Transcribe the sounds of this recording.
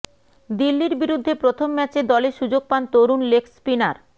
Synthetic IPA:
d̪ilːiɾbiɾud̪ʱːepɾot̪ʰomːɛt͡ɕed̪ɔleʃud͡ʑoɡ̚pant̪oɾunlekspinaɾ

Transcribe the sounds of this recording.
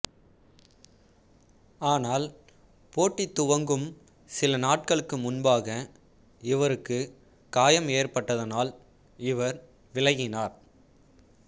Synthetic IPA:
aːnaːl | poːʈːɪt̪ːʊʋɐŋɡɯm | sɪlɐnaːʈ̚kɐɭɯkːɯmʊnbaːɣɐ | ɪʋɐɾɯkːɯ | kaːjɐmeːrpɐʈːɐðɐnaːl | ɪʋɐɾ | ʋɪlɐɣɪnaːɾ

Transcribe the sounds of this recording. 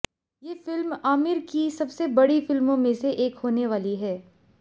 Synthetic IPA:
jeːfɪlmaːmɪɾkisɐbsebɐɽifɪlmõmẽseʔeːkɦoːneʋaːliɦɛː

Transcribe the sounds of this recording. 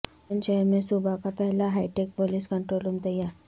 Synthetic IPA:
ənɕəɦɛɾmẽsubʱakapɛɦlaɦaiʈek̚poliskəɳʈɾolumt̪əjaɾ

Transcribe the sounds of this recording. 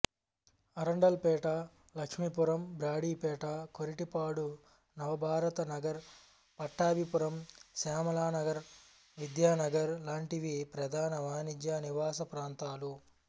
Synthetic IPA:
ɐɾɐɳɖɐlpɛːʈa | lɐkʂmipuɾɐmbɾaːɽiːpɛːʈakoɾiʈipaːɽu | nɐʋɐbʱaːɾɐt̪ɐnɐɡɐɾ | pɐʈːaːbipuɾɐmseːmɐlaːnɐɡɐɾ | ʋid̪jaːnɐɡɐɾlaːɳʈiʋipɾɐd̪ʱaːnɐʋaːnid͡ʒjaːniʋaːsɐpɾaːnt̪aːlu

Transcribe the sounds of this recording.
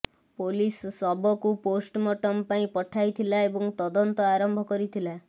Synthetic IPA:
polisːɔbɔkuposʈmɔʈɔmpaĩpɔʈʰajt̪ʰilaebɔŋt̪ɔd̪ɔnt̪ɔaɾɔmbʱɔkɔɾit̪ʰila

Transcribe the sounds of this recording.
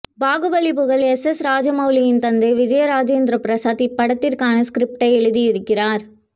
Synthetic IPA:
baːɣɯbɐlɪpːɯɣɐɭɛsɛsɾaːd͡ʒɐmɐʊlɐjɪnt̪ɐnd̪ɐɪʋɪd͡ʒɐjɐɾaːd͡ʒeːnd̪ɾɐpɾɐsaːt̪ipːɐɽɐt̪ːɪɾkaːnɐskɾɪp̚ʈɐɪɛɻɯðiɪɾɯkːɪɾaːɾ

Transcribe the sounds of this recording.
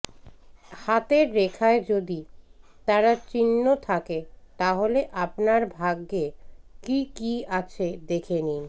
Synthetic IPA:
hat̪eɾːekʰaed͡ʑod̪it̪aɾat͡ɕinːot̪ʰaket̪aɦoleʔapnaɾbʱaɡːekikiat͡ɕʰed̪ekʰeni

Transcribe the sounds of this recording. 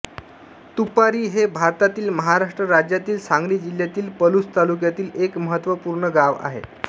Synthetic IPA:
t̪upaɾiːɦebʱaɾt̪at̪iːlməɦaɾaʂʈɾəɾad͡ʑjat̪iːlsãŋɡliːd͡ʑiljat̪iːlpəlust̪aluk̬jat̪iːlekməɦət̪ʋəpuːɾɳəɡaʋa̰ɦḛ

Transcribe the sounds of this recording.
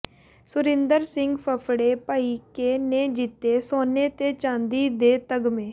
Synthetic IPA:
sʊɾɪ̃nd̪əɾsɪŋɡpʰəpʰɽeːpaːiːkeːneːd͡ʒit̪ːeːsoːneːt̪eːt͡ʃãːnd̪iːd̪eːt̪əɡmẽː

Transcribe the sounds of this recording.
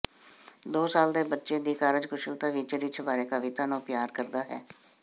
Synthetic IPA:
d̪oːsaːld̪eːbətːʃeːd̪iːkaːɾəd͡ʒkʊʃəlt̪aːʋiːt͡ʃɾiːt͡ʃʰbaːɾeːkaʋɪt̪aːnõːpjaːɾkəɾd̪aːɦɛ̰ː

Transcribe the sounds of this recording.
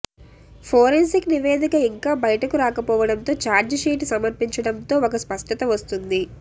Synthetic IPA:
pʰoːɾensikniʋeːd̪ʱikɐiŋkaːbɐjɐʈɐkuɾaːkɐpɔːʋɐɽɐnt̪o̞ːt͡ʃaːɾd͡ʒʂiːʈsɐmɐɾpiɲt͡ʃɐɽɐnt̪o̞ːɔkɐspɐʂʈɐt̪ɐʋɐst̪und̪i

